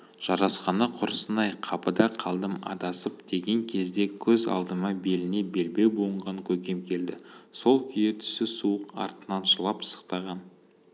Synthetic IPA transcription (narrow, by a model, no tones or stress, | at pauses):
ʒ̥ɑɾɑsqɑnəqʰʊɾəsənɑjqʰɑpəd̪ɑqʰɑlˠd̪əmɑ̰d̪ɑsəpd̪̥e̞ɡʲe̞ŋkʲʰe̞zd̪e̞kʲʰɵzɑ̰lˠd̪əməbe̞lɪne̞be̞lbe̞boəɴʁɑŋkʲʰɵkʲe̞mkʲʰe̞ld̪ɪso̞lˠkʲʰʏjet̪ʰʏ̥sɪsuəqɑ̰ɾt̪ənɑnʒəlˠɑpsə̥qt̪ɑʁɑn